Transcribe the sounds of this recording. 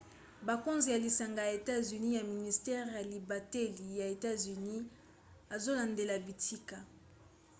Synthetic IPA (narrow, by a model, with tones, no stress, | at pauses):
ba˨ko˦nzi˨ja˨li˨sa˨ŋɡa˨ja˨e˨ta˦zy˨ni˦ja˨mi˨ni˨stɛ˦ʁja˨li˨ba˨tɛ˦li˨ja˨e˨ta˦zy˨ni˦ | a˨zo˦la˨nde˨la˨bi˨tʰi˦ka˨